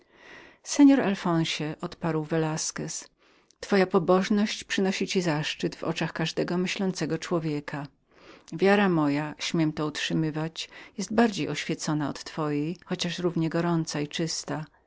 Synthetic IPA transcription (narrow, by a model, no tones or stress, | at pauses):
sɛɲɔɾalfɔ̃w̃ɕɛʔɔt̪paɾwvɛlaskɛs | t̪fɔjapɔbɔʐnɔɕt͡ɕpʂɘnɔɕit͡ɕizaʂt͡ʂɘd̪vɔ̰t͡ʂaxkaʐd̪ɛɡɔmɘɕlɔnt̪sɛɡɔt͡ʂwɔvʲjɛkʰa | vʲjaɾamɔjaɕmʲɛmt̪ɔutʂɘmɘvat͡ɕjɛst̪̚baɾd͡ʑejɔɕfʲjɛt̪sɔnaɔ̰t̪ːfɔjejxɔt͡ɕaʂɾuvɲɛɡɔɾɔnt̪sait͡ʂɘst̪a